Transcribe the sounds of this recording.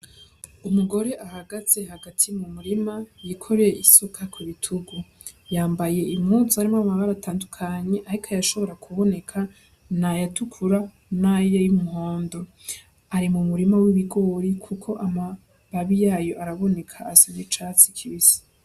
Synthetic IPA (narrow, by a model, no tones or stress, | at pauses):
umuɡo̞ɾe̞ʔahaɡaze̞ɦaɡatʰimumuɾimajikʰo̞ɾejeʔisukʰakwiβitʰuɡu | jaːmbaje̞imŋut͡suaɾimamaβaɾataːndukʰaɲe̞ʔaɾikʰajaʃo̞βo̞ɾakʰuβo̞ne̞kʰa | najatukʰuɾa | najejumuho̞ːndo̞ | aɾimumuɾimawiβiɡo̞ːɾikʰukʰo̞ʔama | βaβijaːjo̞ʔaɾaβo̞ne̞kʰaːsaɲit͡ʃat͡sikʰiβisi̥